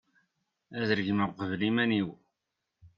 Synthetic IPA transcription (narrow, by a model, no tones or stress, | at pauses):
æðəɾəʝməqəvlimæniw